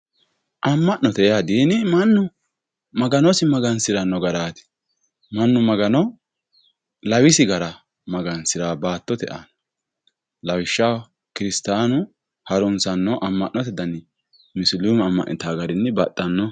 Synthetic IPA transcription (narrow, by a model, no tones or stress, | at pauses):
ʔɐmːɐʔnɔt̪ɛad̪iːnɪmɐnːʊ | mɐɡɐnɔsɪmɐɡɐnsɪɾɐnːɔɡɐɾaːt̪ɪ̥ | mɐnːʊmɐɡɐnɔ | lɐwɪsɪɡɐɾɐ | mɐɡɐnsɪɾaːbaːt̪ːɔt̪ɛ̰ʔa̰n | lɐwɪʃːɐw | kɪɾɪst̪aːnʊ | hɐɾʊnsɐnːɔʔɐmːɐʔnɔt̪ɛd̪ɐnːɪ | mɪslumɐmːɐ̰ʔnɪ̰t̪aːɡɐɾɪnːɛbɐt̪ʼːɐnːɔ